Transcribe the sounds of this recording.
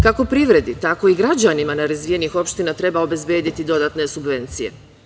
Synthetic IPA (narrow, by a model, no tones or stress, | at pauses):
kako̞pɾiʋɾe̞d̪it̪ako̞iɡɾad͡ʑanimanaɾazʋije̞nixo̞pʃt̪inat̪ɾe̞baobe̞zbje̞ːd̪it̪id̪o̞d̪aːt̪ne̞subʋe̞nt̪sije̞̰